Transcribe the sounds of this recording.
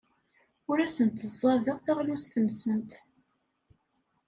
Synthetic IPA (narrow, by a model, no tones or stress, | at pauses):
ʊɾæsənt̪əzˤːɑðəʁθæʁlust̪ənsənt̪